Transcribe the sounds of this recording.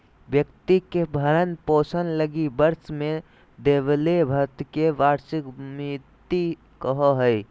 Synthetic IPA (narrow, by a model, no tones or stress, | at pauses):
bjəkt̪ikebʱəɾənposənləɡibəɾsme | d̪eβlebʱət̪keʋaɾsikmit̪i | kəɦɔɦəj